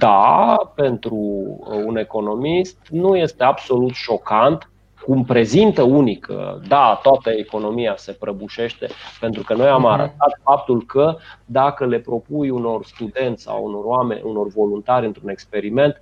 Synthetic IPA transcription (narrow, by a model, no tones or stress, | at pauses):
d̪ape̞nt̪ɾuːne̞ko̞no̞mist̪nuje̞st̪e̞abso̞lut̪ʃo̞kant̪ | kumpɾe̞zint̪əunikʰə̰d̪at̪oat̪əeko̞no̞mijase̞pɾəbuʃe̞ʃt̪e̞̰pe̞nt̪ɾukəno̞jamaɾə̰t̪at̪fap̚t̪ulkəd̪akəle̞pɾo̞pujuno̞rst̪ud̪e̞nt̪ssa̰wṵno̞rwamḛnʲuno̞rvo̞lunt̪aɾʲɨnt̪ɾune̞kspe̞ɾime̞nt̪